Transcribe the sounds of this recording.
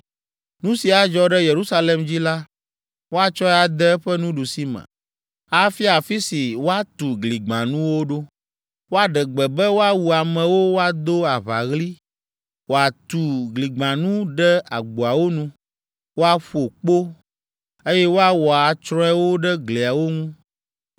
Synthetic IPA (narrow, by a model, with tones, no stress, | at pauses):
nũ˦si˨a˨d͡ʒɔ˦ɖɛ˦je˨ɾu˦sa˦le˨md͡ʑi˦la˦ | wo˦a˨t͡ʃɔ˦ɛ˦a˨d̪ɛ˦ɛ˦ɸɛ˦nũ˦ɖu˨si˦mɛ̰̃˨ | a˦fi˦a˨fi˦si˨wo˦a˦t̪u˨ɡli˨ɡ͡bã˨nũ˦wo˦ɖo˦ | wo˦a˦ɖɛ˨ɡ͡bɛ˨bɛ˦wo˦a˦wu˨a˨mɛ̃˨wo˦wo˦a˦d̪o˦a˨βa̰˨ɣli˦ | wo˨a˨t̪u˨ɡli˨ɡ͡bã˨nũ˦ɖɛ˦a̰˨ɡ͡bo˨a˨wo˦nũ˦ | wo˦a˦ɸu˦o˨k͡po˦ | e˦jɛ˦wo˦a˦wɔ˨a˨t͡ʃɾɔ̃˦ɛ˦wo˦ɖɛ˦ɡli˨a˨wo˦ŋũ˦